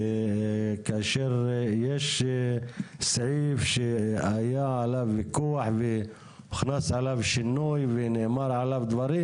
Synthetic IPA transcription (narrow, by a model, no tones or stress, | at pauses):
kʔaʃiɾjeʃ | sʕifʃʔajaʕalavɪkuːħvɪ | ɪxnasʕalavʃɪnːujvɪnɪʕmɑɾˤʕalavd̪wɑɾi